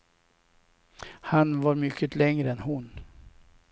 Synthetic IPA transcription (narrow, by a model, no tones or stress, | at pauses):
hanvaɾmʏkʰːəlɛŋɾəɛnɦʊn